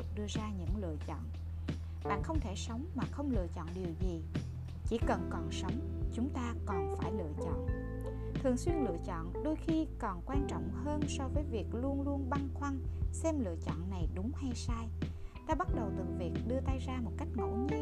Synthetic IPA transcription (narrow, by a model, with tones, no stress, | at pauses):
k̚ɗɨ˧əzaː˧ɲɨ̰˧˥ŋlɨ̰˧˨ət͡ɕɔ̰˧˨nʔ | ɓa̰ː˧˨xə˧wŋ͡mt̪ʰe˧˩sə˨˦wŋ͡mmaː˨˩xə˧wŋ͡mlɨ̰˧˨ət͡ɕɔ̰˧˨nɗi˨˩əwzi˨˩ | t͡ɕi˧˩kə˨˩nkɔ˨˩nsə˨˦wŋ͡m | t͡ɕʊ˨˦ŋ͡mt̪aː˧kɔ˨˩nfaː˧˩jlɨ̰˧˨ət͡ɕɔ̰˧˨nʔ | t̪ʰɨ˨˩əŋswi˧ənlɨ̰˧˨ət͡ɕɔ̰˧˨nɗo˧jxi˧kɔ˨˩nkwaː˧nt͡ɕɔ̰˧˨wŋ͡mhəː˧nsɔ˧vəː˨˦jvi˨˩ək̚lu˧ənlu˧ənɓa˧ŋxwa˧ŋsɛ˧mlɨ̰˧˨ət͡ɕɔ̰˧˨nːa˨˩jɗʊ˨˦ŋ͡mha˧jsaː˧jɗaː˧ɓa˦˥t̚ɗə˨˩wt̪ɨ˨˩vi˨˩ək̚ɗɨ˧ət̪aː˧jzaː˧mo˨˩t̚ka˦˥jk̟̚ŋo̰˧˥ɲi˧